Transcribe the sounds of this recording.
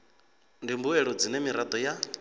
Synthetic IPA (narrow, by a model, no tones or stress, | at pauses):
ndimbuɛɺɔd͡zinɛmiɾad̪ɔja